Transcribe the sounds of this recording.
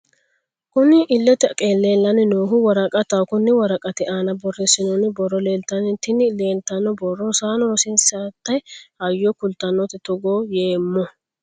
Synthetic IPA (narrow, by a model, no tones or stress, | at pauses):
kʊnɪʔɪlːɛt̪ɛkʼeːlːeːlːɐnɪnoːɦʊwɐɾɐkʼɐt̪ɐkʊnːɪwɐɾɐkʼɐt̪ɪʔaːnɐbɔrːɛsɪnɔnɪbɔrːɔleːlt̪ːɐnɪt̪ɪnɪle̞ːlt̪ːɐnːɔbɔrːɔsaːnɔɾɔsɪnsat̪ːɐjhɐjːɔkʊlt̪ɐnːɔt̪ɪt̪ɔɡoːjeːmːɔ